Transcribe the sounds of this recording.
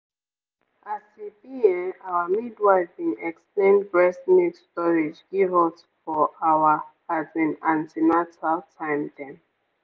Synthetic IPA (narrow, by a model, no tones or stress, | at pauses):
ʔasibiɛ̃nawəmidwaɪdbĩnɛksplẽnbɹɛsmidstɔɹid͡ʒɡivɔt | fɔʔawə | azĩnãntʰimatʰaltʰãɪ̃mdɛ̃n